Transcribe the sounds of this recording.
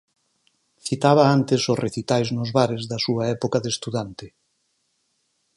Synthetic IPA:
θit̪aβ̞ɐant̪ɪsʊsrʔeθit̪ajznʊzβaɾɪzðɐsuɐɛpokɐðest̪uðant̪ɪ

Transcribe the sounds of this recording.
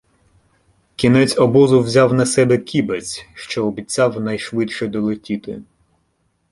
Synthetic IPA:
kʲinɛt͡sʲɔbɔzʊwzʲawnɐsɛbɛkʲibɐt͡sʲʃt͡ʃɔːbʲit͡sʲawnɐjʃʋɪt̪ʃɛd̪ɔlˠetʲit̪ɪ̰

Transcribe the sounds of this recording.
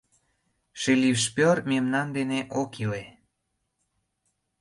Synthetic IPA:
ʃelifʃpʲørmemnɑnd̪eneʔokʰile

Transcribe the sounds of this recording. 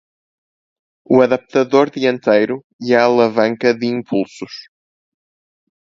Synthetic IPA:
uɐðɐp̚t̪ɐðoɾðiẽnt̪ejɾu | iɐːlˠɐvɐ̃ŋkɐðɨĩmpʰulˠsuʃ

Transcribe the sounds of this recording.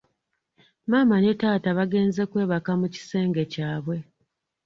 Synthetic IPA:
maːmane̞taːtaβaɡe̞ːnze̞kwe̞ːβakamuci̥se̞ːŋɡe̞caːβwe̞

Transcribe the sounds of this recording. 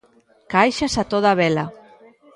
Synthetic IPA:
kajʃasat̪oð̞aβɛla

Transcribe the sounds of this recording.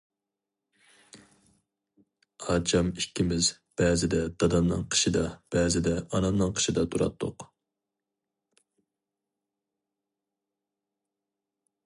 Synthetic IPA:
ɑːt͡ʃʰɑmikʲʰːimɪz | b̥ɛːzɪd̪ɛd̪̥ɑd̪ɑmnɨ̰ŋqʰə̥ʃid̪ɑb̥ɛːzɪd̪ɛɑnɑmnɨŋqʰə̥ʃid̪ɑt̪ʰuɾɑ̰t̪ʰːʊ̰q

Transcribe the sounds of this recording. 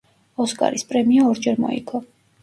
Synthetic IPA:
ɔskʼa̰ɾispʼɾɛmiɔːɾd͡ʒɛɾmɔ̰ḭkʰʼɔ

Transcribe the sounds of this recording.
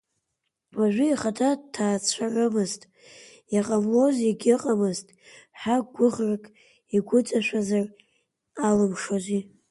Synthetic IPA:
waʒᶣʷɪiχatʰadtʰaːt͡sʷʰaʕʷɨmɨztʼ | jaqʼamloziɡʲɪqʼamɨztʼħaɡʷʊʁrakʼ | iɡʷʊt͡sʼaʃʷᶣazar | alɨmʂozi

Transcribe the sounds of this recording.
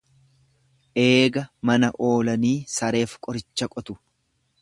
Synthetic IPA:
ʔe̞ːɡɐmɐnɐʔo̞ːlɐniːsɐɾe̞ːfkʼɔɾɪt͡ʃːɐkʼɔt̪ʊ̥

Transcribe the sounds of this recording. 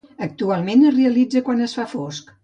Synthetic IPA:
ək̚t̪ualˠmenəzreəlid͡zəkwanəsfafosk

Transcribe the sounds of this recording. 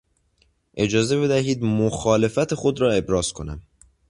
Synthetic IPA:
ʔe̞d͡ʒɒːze̞be̞d̪æɦiːd̪moxɒːle̞fæt̪ʰexo̞d̪ɾɒːe̞bɾɒːz̥kʰonæm

